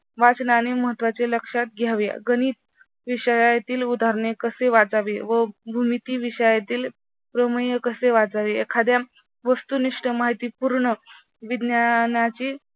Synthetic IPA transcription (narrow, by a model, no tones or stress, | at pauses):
ʋat͡snañiməɦət̪ːʋat͡seləkʂat̪̚ɡʱjaʋja̰ɡəniːt̪̚ | ʋiɕəjajt̪iːlud̪ʱaɾɳekəseʋat͡saʋeʋəbʱumit̪iːʋiɕəjat̪iːl | pɾəməjəkəseʋat͡saʋeekʰad̪ja | ʋəst̪uniʂʈəmaɦit̪iːpuɾɳə | ʋid̪njanat͡ɕi